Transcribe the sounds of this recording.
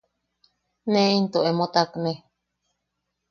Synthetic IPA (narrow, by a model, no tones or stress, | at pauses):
nẽint̪oemot̪akne